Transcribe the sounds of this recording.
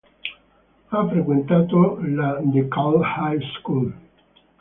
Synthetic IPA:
afɾekwent̪at̪olad̪ekalhajskul

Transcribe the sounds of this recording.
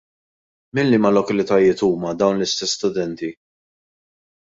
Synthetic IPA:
mɪnːɪmɐlɔkɐlɪt̪ɐjɪːt̪uːmɐd̪ɐwnlɪst̪ɛsːt̪ʊd̪ɛnt̪i

